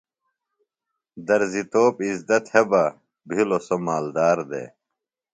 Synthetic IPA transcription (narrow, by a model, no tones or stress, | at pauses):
d̪ɐɾzit̪oːpizd̪ɐt̪hebɐ | bʱilosomaːld̪aːɾd̪ḛ